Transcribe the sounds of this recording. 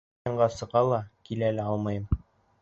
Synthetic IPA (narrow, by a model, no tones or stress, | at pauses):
ɑɴɢɑsɤ̆ʁɑlˠɑkilælæɑlˠmɤjɤm